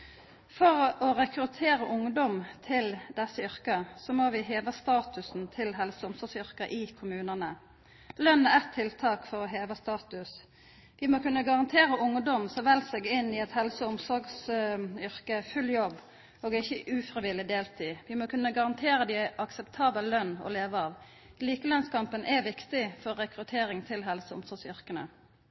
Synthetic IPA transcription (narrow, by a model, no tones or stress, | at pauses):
fɔɾɔɾɛkɾʉt̪ʰeːɾəʔʊŋd̪ɔmt̪ʰɪld̪ɛsːəʏɾkəsɔmoʋɪɦeːʋəst̪ɑːt̪ʉsnt̪ʰɪlɦɛlsəʊmsɔɾɡsʏɾkəʔɪkʰʊmʉːnənə | lœnːəɛt̪ʰːɪlt̪ʰɑːkfɔʁɔɦeːʋəst̪ɑːt̪ʉs | ʋɪmokʰʉnːəɡɑʁɑnt̪ʰeːɾəʔʊŋd̪ɔmsɔʋɛlsɛɡɪnːɪɛt̪hɛlsəʊmsɔɾɡsʏɾkəfʉljɔbː | ʔoːɡɪçːəʔʉːfɾɪʋɪlɪd̪eːlt̪ʰiːʋɪmoːkʰʉnːəɡɑʁɑnt̪ʰeːɾəd̪ɪʔɑksɛpt̪ʰɑːbəllœnːɔ̰leːʋəɑːʋ | liːkəlœnskʰɑmpənʔɛʋɪkt̪ɪfɔɾːɛkɾʉt̪ʰeːɾɪŋt̪ʰɪlɦɛlsəʊ̰msɔɾɡsʏʁkənə̰